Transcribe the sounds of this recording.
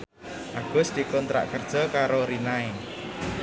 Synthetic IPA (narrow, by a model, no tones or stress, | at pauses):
ʔaɡ̥ʊ̤sd̪̥i̤kɔnt̪ɾa̰ʔkərd̥ʒ̥ɔ̤kaɾoɾinae